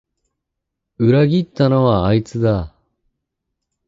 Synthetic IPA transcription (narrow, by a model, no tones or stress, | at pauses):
ɯ̟ɾaɡʲit̪ːano̞βaːit͡sɨd̪a